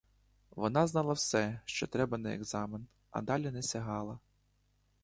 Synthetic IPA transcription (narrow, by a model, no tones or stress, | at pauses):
ʋɔnɑznɑlˠɐwsɛʃt͡ʃɔt̪ɾɛbɐnɛḛɡzɑmɪn | ɐ̰d̪ɑlʲinɛsʲɐɦɑlˠɐ